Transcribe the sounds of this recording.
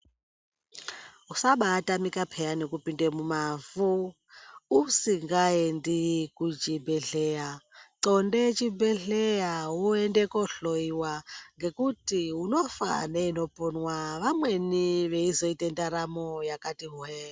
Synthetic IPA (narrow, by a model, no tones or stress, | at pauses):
ɦusaɓaːtʼamikapʰɛjanekupindemumavu | usiŋɡaendikut͡ʃʼibʱɛɮɛjaǀɔndet͡ʃibɛɮɛjaɦuɛndɛkɔɬoiwaŋɡekutiɦunofa̰nɛinopʼonwaβamweniβeizoitɛndaɾamɔjakʼatiɦuɛa